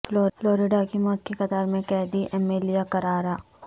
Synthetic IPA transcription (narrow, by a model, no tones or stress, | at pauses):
floːfloːɾɪɖakimɔːt̪̚kixɐt̪aːɾmẽkɛːɦd̪iʔɛːmeːlijakɐɾaːɾaː